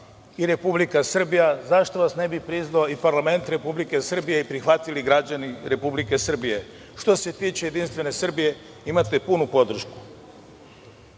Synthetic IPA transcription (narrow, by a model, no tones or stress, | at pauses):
iɾe̞publikasr̩bijazaʃt̪o̞ʋasne̞bipɾiznaoipaɾlˠame̞nt̪ɾe̞publike̞sr̩bijeipɾixʋat̪iliɡɾad͡ʑaniɾe̞publike̞sr̩bije̞ | ʃt̪o̞se̞t̪iːt͡ɕejed̪inst̪ʋe̞ne̞sr̩bije̞ | imat̪e̞punupo̞d̪r̩ʃku̥